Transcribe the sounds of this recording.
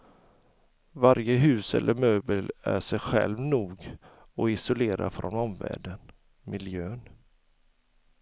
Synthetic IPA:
vaɾjəɦʉ̟ːsɛ̰lːʔəɾmøːbəlæ̰ʂɛjɧɛ̰lvnuːɡ | ɔɪsʊleːɾa̰fɾɔnɔmvæ̰ːɖən | mɪljøːn

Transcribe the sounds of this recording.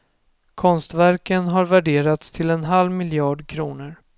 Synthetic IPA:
kʰɔnst̪væɾkənɦaɾvæɖeːɾat̪st̪ʰɪlɛnɦalvmɪljɑːɖkʰɾuːnəɾ

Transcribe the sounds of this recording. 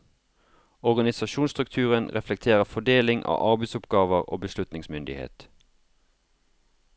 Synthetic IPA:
ɔʁɡɑnɪsɑʃuːnst̪ʁʉkt̪ʰʉːʁənʁɛflɛk̚t̪ʰeːʁəfɔɖ̪eːlɪŋʔɑ̰ːʔɑʁbɛɪsʊpɡ̥ɑːʋəʁo̰ːbəslʉt̪nɪŋsmʏnd̪ɪhḛːt̪

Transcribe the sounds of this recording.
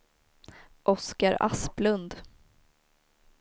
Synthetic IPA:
ʔɔskaɾa̰splɵnd̪

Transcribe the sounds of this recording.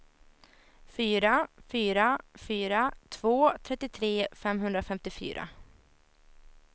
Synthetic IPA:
fyːɾafyːɾafyːɾat̪ʰv̥oːt̪ʰɾɛt̪ːɪt̪ʰɾeːfɛmɦɵnd̪ɾafɛmt̪ɪfy̰ːɾa̰

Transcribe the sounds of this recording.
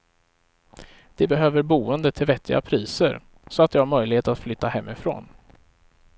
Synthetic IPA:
d̪̥ɛbɛɦøːvəɾbuːənd̪ət̪ʰɪlvɛt̪ʰːɪɡa̰pʰɾiːsə̰ɾ | sɔat̪̚d̪ɛhaɾmœjlɪheːt̪at̪flʏt̪ːahɛmːɪfɾo̰ːn

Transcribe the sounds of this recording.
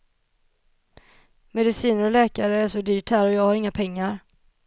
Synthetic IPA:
mɛd̪ɪsiːnəɾɔlɛːkaɾəæʂɔd̪yːʈhæːɾɔjɑːɡhaɾɪŋːapʰɛŋːaɾ

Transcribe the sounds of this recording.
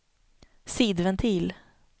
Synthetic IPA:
siːd̪vɛnt̪ʰiːl

